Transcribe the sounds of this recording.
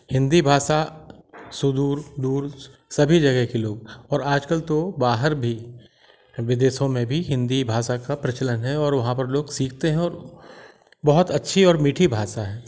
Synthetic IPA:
hɪ̃nd̪ibʱaːsa | sʊd̪uːɾd̪uːɾsɐbʱid͡ʒɐɡɛɦkeloːɡɔːɾaːd͡ʒkəlt̪obaːɦəɾbʱi | ʋɪd̪eːʃõmẽbʱiɦɪ̃nd̪ibʱaːsakapɾɐt͡ʃələnɦɛɔːɾʋɐɦãpɐɾloːɡsiːkʰt̪eɦɛ̃ɔːɾ | bɐɦʊt̪ɐtːʃʰiɔːɾmiːʈʰibʱaːsaɦɛ̃ː

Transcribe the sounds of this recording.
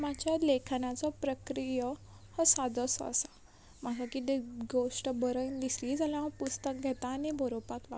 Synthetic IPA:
mad͡ʑjalekʰanat͡sɔpɾəkɾijə | hɔsad̪əsɔ̰a̰sa | m̤aɡakit̪eɡoʂʈbəɾəjnd̪isliːd͡zalãɔpust̪ək̚ɡʱɛt̪aːnibɔɾopakʋa̰

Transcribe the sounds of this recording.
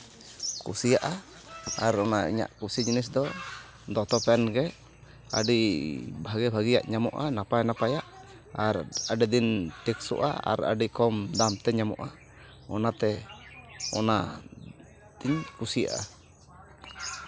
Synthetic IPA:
kṵsijaʔa | aɾɔnaḭɲa̰ʔkusid͡ʒinis̬d̪ɔ | d̪ɔt̪ɔpɛnɡɛ | a̰ɖibʱaɡɛbʱaɡija̰ʔɲamɔ̰ʔa̰napajnapajaʔ | aɾaɖid̪inʈɛksɔ̰ʔa̰a̰ɾa̰ɖikɔmd̪amt̪ɛɲamɔ̰ʔa | ɔnat̪ɛ | ɔna | d̪̥iɲkusija̰ʔa̰

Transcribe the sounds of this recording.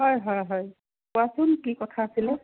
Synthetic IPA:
ɦɔjɦɔjɦɔj | pʊasʊnkikɔt̪ʰaːsilɛ

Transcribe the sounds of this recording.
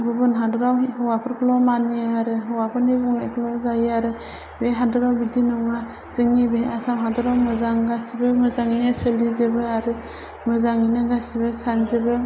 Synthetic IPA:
bɯbɯnɦadɔɾawhɯwapʰɯɾkʰlɔmaniaɾɯɦɯwapʰɯɾnibɔŋnakʰlɔzajaɾɯ | beɦadɔɾawbidinɔŋa | zɯŋibeasamɦadɔɾawmɯzaŋɡasibɯmɯzaŋinasəlizɯbɯaɾɯ | mɯzaŋinɯɡasibɯsanzɯbɯ

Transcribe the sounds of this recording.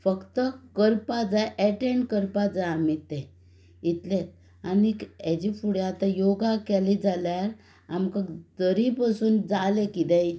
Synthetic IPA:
fəkt̪əkəɾpad͡zajʔɛʈeɳɖkəɾpad͡zajamit̪ẽ | it̪let̪ | anikɛd͡ʑifuɽjat̪ajoɡakɛlid͡zaljaɾ | amkad̪əɾipasuːnd͡zalekit̪ɛ̃i

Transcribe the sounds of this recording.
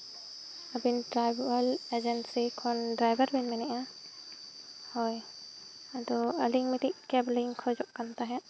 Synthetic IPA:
əbinʈɾajbualed͡ʒɛnsikʰɔnɖɾajbəɾbinmɛnɛʔa | hoj | ad̪ɔəliŋmiʈiʔkɛbliŋkʰɔd͡ʒɔʔkant̪aɦɛ̃

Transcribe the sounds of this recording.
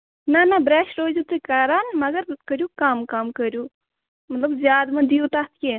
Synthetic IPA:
nɐnɐbɾɛːʃɾoːd͡ʒut̪ɨkɐɾaːnmɐɡɐɾkəɾʲjukamkɐmkəɾʲju | mɐt̪lɐbzjaːd̪mɐ̃d̪ijut̪aːt̪ʰkʲe

